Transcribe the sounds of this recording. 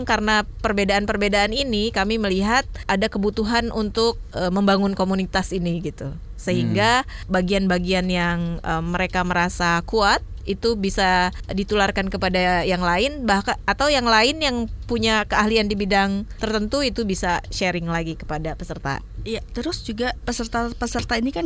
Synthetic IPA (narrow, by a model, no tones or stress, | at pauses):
ŋkaɾənapərbedaʔanpərbedaːninikamiməliɦat̪̚adakəbut̪uɦanʔunt̪ʊk̚əməmbaŋʊnkomunit̪asiniɡit̪u | səɦiŋɡabaɡianbaɡianjaŋəmːəɾekaməɾasakuat̪̚it̪ubisadit̪ularkankəpadajaŋlaɪnbahkaat̪awjaŋlaɪnjaŋpuɲakəaɦliandibidaŋt̪ərt̪ənt̪uit̪ubisaʃeɾɪŋlaɡikə̥padapəsərt̪a̰ | jat̪əɾʊsd͡ʒuɡapəsərt̪apəsərt̪ainikan